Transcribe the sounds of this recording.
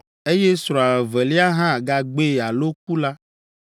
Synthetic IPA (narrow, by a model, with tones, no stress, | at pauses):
e˦je˦sɾɔ̃˨a˨vɛ˨li˦a˦ɦã˦˨ɡa˨ɡ͡be˦˨a˨lo˦k̚u˦la˦